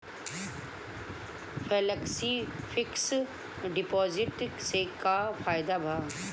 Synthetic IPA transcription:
feːləksifɪks | ɖɪpɔːzɪʈsekafaːɪd̪abʱaː

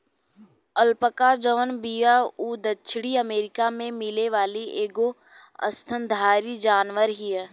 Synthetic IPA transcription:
əlpəkad͡ʒəʋənbijauːd̪ət͡ʃʰɽiəmeːɾɪkamẽmɪleʋaːliʔeːɡo | ə̰st̪ʰənd̪ʱaːɾid͡ʒaːnʋəɾɦiɦɛː

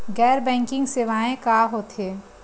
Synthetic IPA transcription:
ɡɛːɾbɛ̃ːŋkɪ̃ŋɡseːʋaːẽkaːɦoːt̪ɦeː

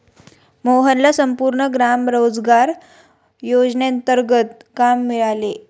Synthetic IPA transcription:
moɦənlasəmpuɾɳəɡɾamɾod͡zɡaɾ | jod͡zneənt̪əɾɡət̪kamːiɭale

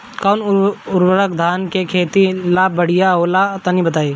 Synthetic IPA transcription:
kaʊnʊɾwəɾəkd̪ʱaːnkekʰeːt̪ilaːbəɽ̤ɪjaɦolat̪anĩbət̪aːiː

